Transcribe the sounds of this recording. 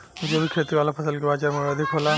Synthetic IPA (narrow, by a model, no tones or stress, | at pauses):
d͡ʒobikʰet̪iʋalapʰəsəlɡibat͡ʃaɾmeəd̪ʱikɦola